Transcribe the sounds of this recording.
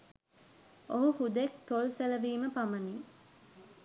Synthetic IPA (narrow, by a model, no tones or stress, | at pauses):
oɦuhud̪ekt̪olseləʋiːməpamɐni